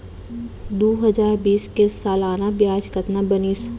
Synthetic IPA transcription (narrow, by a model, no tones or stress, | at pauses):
d̪oːɦɐzaːɾbiːskesaːlaːnabjaːd͡ʒkət̪nabəniːs